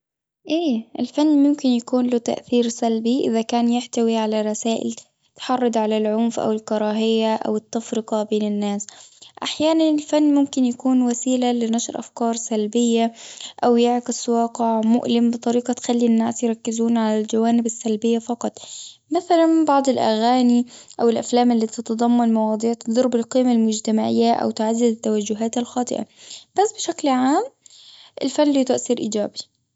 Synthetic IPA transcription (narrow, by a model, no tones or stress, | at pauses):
ʔeːʔɪlfanːmʊmkɪnjakuːnlʊt̪a̰ʔθiːɾsalbiʔɪ̰ðakaːnjɪħt̪awiʕalaɾˤɑsaːʔɪ̰l | t̪ħɑrˤːɑd̪ʕalalʕʊmfʔa̰wɪlkɑɾˤɑːɦɪjːaʔa̰wɪt̪ːɑfɾɪqɑbeːnɪnːaːsʔaħjaːnanɪlfanːmʊmkɪnjakuːnwasiːlalɪnaʃɾʔa̰fkɑːɾˤsalbɪjːaʔawjɪʕkɪswɑːqɪʕmʊʔlɪmbɨt̪ˤɑɾiːqɑt̪xalːinːaːsjɾˤɑkːɪzuːnʕalald͡ʒawaːnɪbasːalbɪjːafɑqɑt̪ˤmaθalanbɑʕd̪ˤɪlʔa̰ɣaːniʔawɪlʔaflaːmɪlːiːt̪ɪt̪ɑd̪ˤɑmːɑnmɑwɑːd̪ˤiːʕt̪ɨd̪ˤɑɾˤbɪlqiːmalmʊd͡ʒt̪amaʕɪjːaʔa̰wt̪ɪʕazːɪzɪt̪ːawad͡ʒːʊɦaːt̪alxɑːt̪ˤɨ̰ʔa̰b̥asːbɪʃaklʕaːm | ʔɪ̰lfanːliːt̪ʊʔsiɾʔḭːd͡ʒa̰ːbi